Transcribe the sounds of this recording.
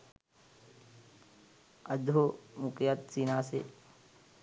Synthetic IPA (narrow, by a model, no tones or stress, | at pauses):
ɐd̪ʱomukjat̪̚siːnaːsḛ